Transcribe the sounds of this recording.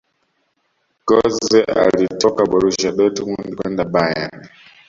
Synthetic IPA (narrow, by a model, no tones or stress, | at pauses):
ɡɔzɛʔa̰litɔkaɓɔɾuʃaɗɔtuŋundikwɛndabaja̰n